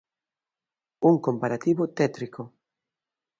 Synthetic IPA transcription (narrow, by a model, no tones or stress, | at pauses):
uŋkompaɾat̪iβʊt̪ɛt̪ɾiko